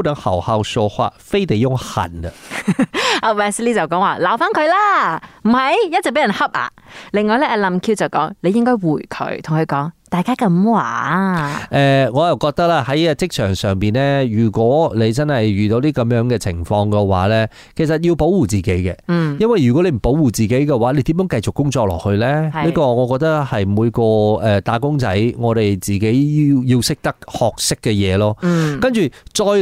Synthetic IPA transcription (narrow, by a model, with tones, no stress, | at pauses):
wt̪ɐ˨˧˥ŋhɐ̰˨˩whaː˧wsɔː˧hwa̰ː˧˥t̚fe˥jt̪e˨jʊ˥ŋhɐ̰˨˩nɐ˧ | ʔɐ˨˧wɛː˧sliː˥t͡sɐ˨wkɔː˨˥ŋwaː˨laː˨˩wfaː˥nkʰɵ˨˧ɥlaː˥m̩˨˩hɐ˨jjɐ˥t̚t͡sːɛ˨k̚pe˨˥jɐ˨˩nhɐ˥p̚ʔa̰ː˨˧lɪ˨ŋːɔː˨˧jlɛː˥ʔɛː˧lɐ˨mkʰiː˧wt͡sɐ˨wkɔ̰ː˨˥ŋle˨˧jɪ˥ŋkɔː˥jwuː˨˩jkʰɵ̰˨˥t̪ʰʊ˨˩ŋkʰɵ˨˧ɥkɔː˨˥ŋt̪aː˨jkaː˥kɐ˧mwaː˨˩ | ʔɛː˧ŋɔː˨˧jɐ˨wkɔː˧k̚t̪ɐ˥k̚laː˧hɐ˨˥ja˧t͡sɪ˥k̚t͡ʃʰœː˨˩ŋsœː˨ŋpiː˨nlɛː˥jyː˨˩kʷwɔː˨˥le˨˧jt͡sɐ˥nhɐ˨jɥyː˨t̪o˨˧wt̪iː˥kɐ˨˧˥mjœː˨˥ŋkɛː˧t͡sʰɪ̰˨˩ŋfɔː˧ŋkɛ˧wa̰ː˨˥lɛː˥ | kʰe˨˩jsɐ˨t̚ji˧wpo˨˥wuː˨˩t͡siː˨˩ke˨˥jkɛ̰˧jɐ˥nwɐ˨jɥy˨kɔ˨˥le˨˧jm̩˨˩po˨˥wuː˨˩t͡siː˨ke˨˥jkɛ˧waː˨˥le˧jt̪iː˨˥mjœː˨˥ŋkɐ˧jt͡sʊ˨kːʊ˥ŋt͡sɔː˧k̚lɔ̰ː˨˩k̚hɵ˧ɥlɛː˥liː˥kɔː˧ŋɔː˨˧kɔː˧k̚t̪ɐ˥k̚hɐ˨jmuː˨˧jkɔː˧ɛː˨t̪aː˨˥kʊ˥ŋt͡sɐ̰˨˥jŋɔː˨˧t̪e˨jt͡siː˨˩ke˨˥ji˧wjiː˧wsɪ˥k̚t̪ɐ˥k̚hɔː˨k̚sɪ˥kːɛ˧jɛː˨˧lɔː˥kɐ˥nt͡ʃyː˨t͡ʃɔː˧j